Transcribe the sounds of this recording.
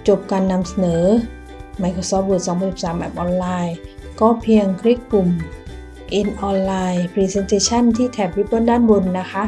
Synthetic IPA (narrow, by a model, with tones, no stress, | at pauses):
t͡ɕo˨˩p̚kaː˧nːa˧msa˧nɤː˩˦ | ma˧jkʰɾoː˧sɔː˦˥p̚bo˨˩t̪̚sɔː˩˦ŋʰpaː˧si˨˩p̚saː˩˦mʔɛ̰˦˥p̚ʔɔː˧nlaː˧j | kɔː˥˩pʰi˧əŋkʰɾi˦˥˩kːu˨˩m | ʔe˧nʔɔː˧nlaː˧jpʰɾiː˧se˧nt̪ʰeː˧t͡ɕʰa˥˩nt̪ʰiː˥˩t̪ʰɛː˨˩p̚wi˦˥p̚bo˧˥˨ndaː˥˩nbo˧nːa˦˥kʰa˦˥ʔ